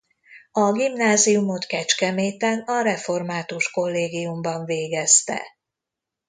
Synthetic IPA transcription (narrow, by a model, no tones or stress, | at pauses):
ɒɡimnaːzijumo̞t̪kɛt͡ʃkɛmeːt̪ɛnɒɾɛfo̞rmaːt̪uʃko̞lːeːɡijumbɒɱveːɡɛst̪ɛ̰